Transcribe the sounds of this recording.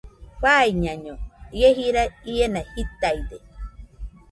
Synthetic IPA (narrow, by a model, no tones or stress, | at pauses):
ɸaiɲaɲojeɦiɾaienahit̪ajd̪e